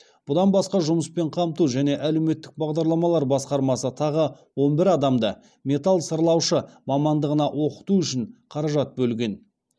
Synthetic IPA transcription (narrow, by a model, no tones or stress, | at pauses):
b̥ʊd̪ɑnbɑsqɑʒʊməspe̞ɴqʰɑmt̪uʒæne̞ʔæle̞wme̞t̪ːɪk̚bɑʁd̪ɑɾlˠɑmɑlˠɑɾbɑsqɑɾmɑsət̪ʰɑʁə | wo̞nbɪɾɑd̪ɑmd̪ə | mʲe̞t̪alˠsəɾlˠɑwʃəmɑmɑnd̪əʁənɑʔwʔo̞qə̥t̪uʏʃɪɴqʰɑɾɑʒɑt̪̚bɵlɡʲe̞n